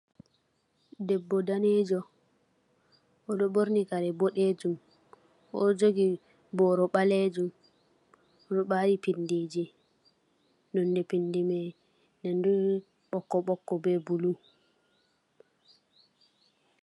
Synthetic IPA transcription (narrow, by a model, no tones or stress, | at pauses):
dɛbːɔdaned͡ʒɔ | ʔɔɗɔboɾnikaɾɛboɗed͡ʒum | ʔɔd͡ʒoɡi | bɔɾɔɓaled͡ʒum | ɔɗɔɓaɾipindid͡ʒi | nɔndɛpindimɛ | nɛndu | ɓɔkːɔɓɔkːɔbɛbulu